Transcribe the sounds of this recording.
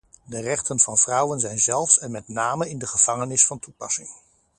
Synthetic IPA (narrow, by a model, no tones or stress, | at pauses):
dərɛχtənv̥ɑnv̥rʌwənzɛjnzɛlˠfsɛnmɛtnaːməɪndəχəv̥ɑŋənɪsfɑntupɑsɪŋ